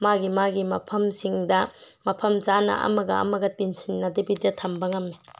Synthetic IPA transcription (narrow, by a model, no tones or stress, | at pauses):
maɡimaɡimɐpʰɐmsiŋdɐmɐpʰɐmt͡ʃanɐ̰ʔɐ̰mɐɡɐ̰ɐ̰mɐɡɐtinsinːɐdɐbidɐtʰɐmbɐŋɐmːe